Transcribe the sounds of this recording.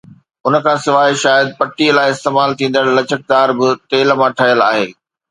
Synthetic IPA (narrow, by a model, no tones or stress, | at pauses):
ʊnə̆kʰãːsɪʋaːiʃaːjəd̪̚pɐʈːilaːɪɪst̪eːmaːlt̪ʰĩːn̆d̪əɽlɐt͡ɕək̚d̪aːɾbɪt̪eːlmãʈʰɐɦjəla̰ːɦeː